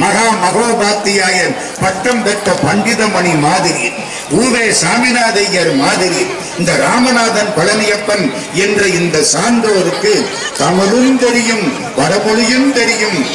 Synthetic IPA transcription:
mɐɣaːmɐɣoːbaːt̪ːɪjaːjɐn | pɐʈːɐmpɛʈːɐpɐɳɖɪðɐmɐnimaːðɪɾḭːɾ | uːʋeːsaːmɪnaːðɐjɐɾmaːðɪɾiː | ɪnd̪ɐɾaːmɐnaːðɐnpɐɭɐnɪjɐpːɐn | ɛndrɐɪnd̪ɐsaːnd̪oːɾɯkːɯ | t̪ɐmɐlɯmt̪ɛɾɪjɯm | ʋɐɾɐpɔɭɯjɯmt̪ɛɾɪjɯm

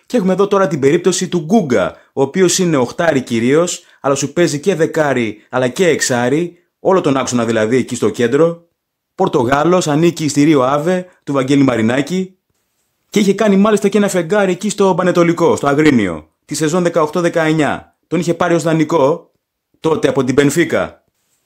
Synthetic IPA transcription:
cee̞xume̞ðo̞t̪o̞ɾɐt̪ibe̞ɾip̚t̪o̞sit̪uɡuɡɐ̰ | o̞ːpio̞sine̞o̞xt̪ɐɾiciɾio̞s | ɐlɐsupe̞zice̞ðe̞kɐɾiɐlɐce̞ːksɐɾi | o̞lo̞t̪o̞nɐkso̞nɐðilɐðiecist̪o̞ce̞nd̪ɾo̞ | po̞ɾt̪o̞ɣɐlo̞sɐniciːst̪iɾio̞ɐve̞t̪uvɐɟe̞limɐɾinɐci | ce̞içe̞kɐnimɐlist̪ɐce̞nɐfe̞ŋɡɐɾiecist̪o̞bɐne̞t̪o̞liko̞st̪o̞ɐɣɾinḭo̞̰ | t̪ise̞zo̞nðe̞kɐoxt̪o̞ðe̞kɐeɲɐ̰ | t̪o̞niçe̞pɐɾio̞zðɐniko̞ | t̪o̞t̪e̞ɐpo̞t̪̬ibe̞nfikɐ̰

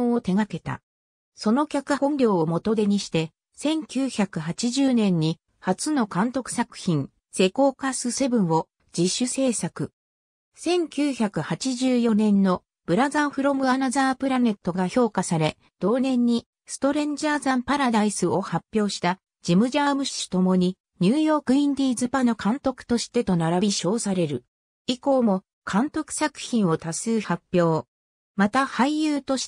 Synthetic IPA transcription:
oot̪e̞ɡake̞t̪a̰ | so̞no̞kʲakɯ̟õ̞nɾʲo̞ːomo̞t̪od̪e̞ɲ̟iɕi̥t̪e̞ | sẽ̞ŋkʲɨːçakɯ̟ɦat͡ɕiʑɨːnẽ̞ɲ̟ːi | hat͡sɨno̞kãnt̪o̞kɯ̟̥sakɯ̟̥çĩŋ | se̞ko̞ːkasɨse̞bɯ̟̃ɰ̃o̞ | d͡ʑiɕːɨse̞ːsakɯ̟ | sẽ̞ŋkʲɨːçakɯ̟hat͡ɕiʑɨːjo̞nẽ̞nːo̞ | b̥ɯ̟ɾazãɰ̃ɸɯ̟ɾo̞mɯ̟anazaːpɯ̟ɾane̞t̪ːo̞ɡaço̞ːkasaɾe̞ | d̪̥o̞ːnẽ̞ɲ̟ːi | sɨ̥t̪o̞ɾẽ̞ɲd͡ʑaːzãmpaɾad̪aisɨo̞hapʲːjo̞ːɕi̥t̪a | d͡ʑimɯ̟ʑaːmɯ̟ɕɕi̥t̪o̞mo̞ɲ̟i | ɲ̟ɨːjo̞ːkɯ̟ĩnd̪ʲiːzɨpano̞kʰãnt̪o̞kɯ̟̥t̪o̞ɕi̥t̪e̞t̪o̞naɾabʲiɕo̞ːsaɾe̞ɾɯ̟ | iko̞ːmo̞ | kʰãnt̪o̞kɯ̟̥sakɯ̟̥çĩɰ̃o̞t̪asɨːhapʲːjo̞ː | mat̪ahaijɯ̟ːt̪o̞ɕi̥

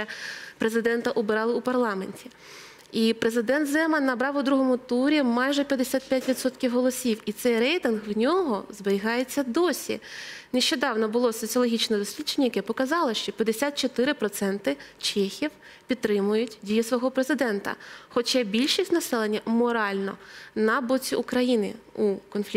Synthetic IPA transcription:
ɛpɾezɪd̪ɛnt̪ɐʔɔbɪɾɑlˠɪupɐrlˠɑmenʲtʲi | ipɾezɪd̪ɛnt̪zɛmɐnːɐbɾɑwʊd̪ɾuɦɔmʊt̪uɾʲimɑjʒɛpʲjɐd̪esʲat̪̚pʲjatʲʋʲid̪sɔt̪kʲiwɦɔlˠɔsʲiwit̪sɛjɾɛjt̪ɪnɣwnʲɔɦɔzbeɾʲiɦɑjet͡sʲːɐd̪ɔsʲḭneʃt͡ʃɔd̪ɑwnɔbʊlˠɔsɔt͡sʲiɔlˠɔɦʲit͡ʃnɛd̪ɔsʲʋʲid̥t͡ʃenʲːɐjɐkɛpɔkɐzɑlˠɔʃt͡ʃɔpʲjɐd̪esʲat̪̚t͡ʃɔt̪ɪɾɪpɾɔt̪sɛnt̪ɪt͡ʃɛxʲiw | pʲid̪t̪ːɾɪmʊjʊtʲdʲijisʋɔɦɔpɾezɪd̪ɛnt̪ɐ̰xɔt͡ʃɛbʲilʲʃisʲtʲnɐsɛlˠenʲːɐmɔɾɑlʲnɔnɐbɔt͡sʲiʔʊkɾɐjinɪ̰ukɔnflʲi

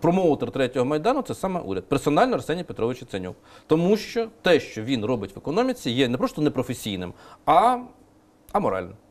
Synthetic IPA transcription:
pɾɔmɔʊt̪ɛrt̪ɾɛtʲɔɦɔmɐjd̪ɑnʊt̪sɛsɑmɛ̰ʔṵɾʲɐd̪̚persɔnɑlʲnɔrsɛnʲijpet̪ɾɔʋɪt͡ʃɪt̪senʲṵkt̪ɔmuʃt͡ʃɔt̪ɛʃt͡ʃɔʋʲinrɔbɪtʲʋekɔnɔmʲit͡sʲijɛnɛpɾɔst̪ɔnɛpɾɔfesʲijnɪ̰mɐ | ɐmɔɾɑ̰lʲnɛm

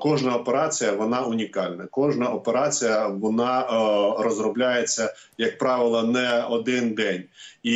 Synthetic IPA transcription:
kɔʒnɐɔpeɾɑt͡sʲijɐʋɔnɑʊnʲikɑlʲnɐkɔʒnɐʔɔpeɾɑt͡sʲijɐʋɔnɑrɔzɾɔblʲajet͡sʲːɐ | jɐk̚pɾɑʋɪlˠɐnɛɔd̪ɪnd̪ɛnʲi

